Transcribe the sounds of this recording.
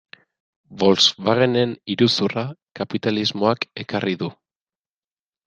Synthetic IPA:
bo̞lsβaɣene̞niɾusurakapit̪alizmo̞ake̞karʔiðu

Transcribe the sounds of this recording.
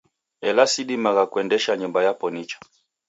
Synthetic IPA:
ɛlasiɗimaɣakuɛndɛʃaɲumbajapɔnit͡ʃḁ

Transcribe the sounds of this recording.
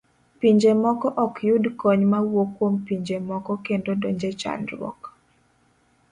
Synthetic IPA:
piɲd͡ʒemɔkɔʔɔkjʊdkɔɲmawokwompiɲd͡ʒemɔkɔkendodoɲd͡ʒet͡ʃa̰nɾwɔ̰k

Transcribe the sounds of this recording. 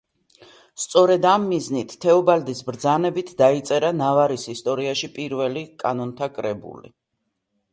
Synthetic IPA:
st̪sʼɔɾɛd̪amːiznit̪ʰːɛɔbald̪isbɾd̪zanɛbit̪ʰd̪ait̪sʼɛɾanavaɾisist̪ʼɔɾiaʃipʼiɾvɛlikʼa̰nɔnt̪ʰakʼɾɛbṵlḭ

